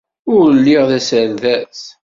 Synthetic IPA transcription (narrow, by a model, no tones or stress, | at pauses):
ʊɾlːɪʁðæsəɾðæs